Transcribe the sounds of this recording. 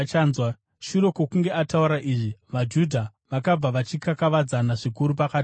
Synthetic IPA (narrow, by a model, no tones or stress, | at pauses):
t͡ʃaːnzwa | ʃuɾo̞kokuŋɡe̞ʔatauɾaʔiʐiʋad͡ʒudʱaʋakab͡vaʋat͡ʃikakaʋad͡zanaʐikuɾup̬akaːti